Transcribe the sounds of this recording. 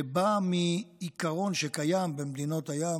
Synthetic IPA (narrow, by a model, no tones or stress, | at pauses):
bamiːkaʁo̞nʃekajambemd̪ino̞t̪haja